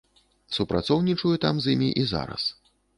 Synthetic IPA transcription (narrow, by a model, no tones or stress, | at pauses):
supɾat̪sɔwnʲit͡ʂujɛt̪amzʲjimʲḭʔiza̰ɾɐ̰s